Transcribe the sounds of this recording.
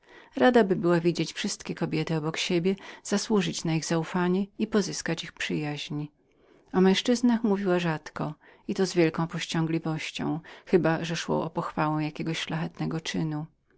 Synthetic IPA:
ɾad̪abɘbɘwavʲid͡ʑet͡ɕfʂɘst̪kʲɛkɔbʲjɛt̪ɘɔbɔkɕebʲjɛz̥aswuʐɘt͡ɕnaiɣzaufaɲɛipɔzɘskat͡ɕixpʂɘjaʑɲi | ɔmɛ̃w̃ʂt͡ʂɘznaxmuvʲiwaʐat̪kɔ | it̪ɔzvʲjɛlkɔ̃w̃pɔɕt͡ɕɔ̃ŋɡlʲivɔɕt͡ɕɔ̰̃w̃xɘbaʐɛʂwɔ̰ʔɔpɔxfawɛ̃wjakʲeɡɔɕʃlaxɛt̪nɛɡɔt͡ʂɘnu

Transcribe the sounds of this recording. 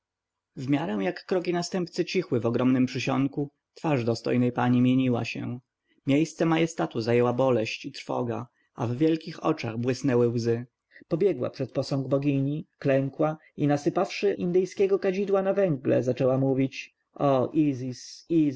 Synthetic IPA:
vmʲjaɾɛw̃jakːɾɔkʲinast̪ɛmpt̪sɘt͡ɕixwɘvɔɡɾɔmnɘmpʂɘɕɔŋku | t̪faʐd̪ɔst̪ɔ̰jnɛjpaɲimʲjeɲiwa̰ɕɛ̰̃ | mʲejst̪sɛmajɛst̪at̪uzajɛwabɔlɛɕt͡ɕit̪ɾfɔ̰ɡa̰ | a̰vvʲjɛlkʲixɔ̰t͡ʂa̰ɣbwɘsnɛwɘwzɘ | pɔbʲjɛɡwa̰pʂɛt̪̚pɔsɔ̃ŋɡbɔɡʲiɲiklɛŋkwa | inasɘpafʂɘʔḭnd̪ɘjskʲɛɡɔkad͡ʑid̪wanavɛŋɡlɛ̰zat͡ʂɛwamuvʲit͡ɕ | ʔɔʔizisi

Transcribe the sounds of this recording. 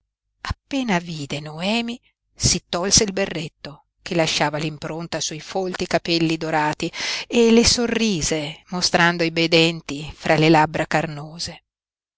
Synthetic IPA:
apːeːnaviːd̪enoɛːmi | sit̪ːɔlseilberːet̪ːo | kelːaʃːaːvalimpɾont̪asuifolt̪ikapɛlːid̪oɾaːt̪ielesorːiːzemost̪ɾand̪oibɛjd̪ɛnt̪ifɾʔalelabɾakarnoːze

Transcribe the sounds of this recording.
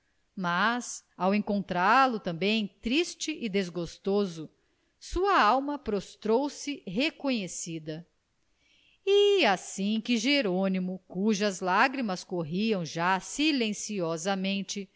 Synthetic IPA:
masawẽŋkõnt̪ɾaɾlʊt̪ɐ̃mbẽj̃t̪ɾist͡ʃɪʔid̪ezɡost̪ozʊ | suɐawmɐpɾost̪ɾowsɪɦekõɲesid̪ɐ | iasĩkɪʒeɾõnimʊkuʒɐzlaɡɾimɐskoɦiɐ̃w̃ʒasilẽsiɔzɐmẽnt͡ʃɪ

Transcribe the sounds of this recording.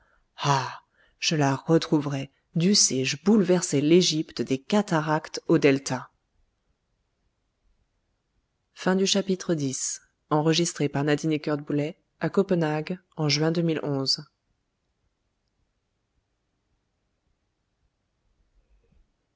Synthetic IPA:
a | ʒ̥əlaʁət̪χuvʁɛ | d̪ysɛʒəbulvɛʁsɛleʒipt̪d̪ekat̪aʁakt̪od̪ɛlt̪a | fɛ̃d̪yʃapit̪χəd̪is | ɑ̃ʁəʒist̪χepaʁnad̪inekœʁd̪̚bulɛ | akɔpənaɡɑ̃ʒɥɛ̃d̪əmilʔɔ̃z

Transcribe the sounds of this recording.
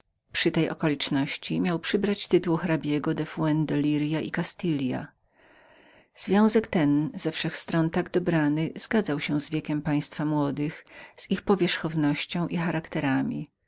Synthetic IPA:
pʂɨt̪ɛjʔɔ̰kɔlʲit͡ʂnɔɕt͡ɕimʲjawpʂɘbɾat͡ɕt̪ɘt̪uwxɾabʲjɛɡɔd̪ɛfwɛnd̪ɔlʲiɾjaʔḭkast̪ɘlʲja̰ | z̥vʲjɔ̃w̃zɛkt̪ɛnzɛfʂɛxst̪ɾɔnt̪aɡd̪ɔbɾanɘz̥ɡad̪zawɕɛ̃zvʲjɛkʲɛmpaj̃st̪famwɔd̪ɘxz̥ixpɔvʲjɛʂxɔvnɔɕt͡ɕɔ̃w̃ʔixaɾakt̪ɛɾamʲi

